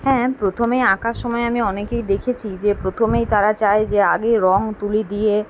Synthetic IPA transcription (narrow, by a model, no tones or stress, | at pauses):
hɛ̃ːpɾot̪ʰomejakaʃːɔmɔeamiɔnekejd̪ekʰet͡ɕʰid͡ʑepɾot̪ʰomejt̪aɾat͡ɕaed͡ʑeaɡejɾɔŋt̪ulid̪ije